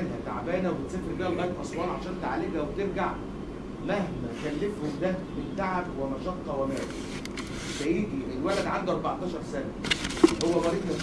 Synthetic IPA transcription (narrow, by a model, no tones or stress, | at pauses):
nɦæt̪a̰ʕbæːnæwbet̪sefɾbiːælɣæːɾbʔɑ̰sˤwɑːnʕaʃæːnt̪aʕalebæwet̪eɾɡaʕ | mæhmæk̪ælːefhomd̪æbet̪ːaʕabwemɑʃɑt̪ːɑwemæ̰ːlḭ | sæʔiːd̪iʔelwælæd̪ʕand̪uʔɑɾˤbɑʕt̪ˤɑːʃɑɾˤsænæhowːæɣɑɾiːʔ̪mæ